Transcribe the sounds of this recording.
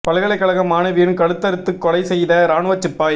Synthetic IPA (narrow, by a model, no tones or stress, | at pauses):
pɐlɣɐɭɐɪkːɐɭɐɣɐmaːnɐʋinkɐɽɯt̪ːɐɾɯt̪ːɯkːɔlɐɪsɛjðɐɾaːɳʊʋɐt͡ʃːɪpːaːj